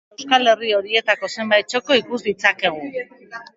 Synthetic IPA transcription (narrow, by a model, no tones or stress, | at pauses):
skale̞rio̞ɾie̞t̪ako̞se̞mbajt̪̚t͡ʃo̞ko̞ikuzβit͡sake̞ɣ̞u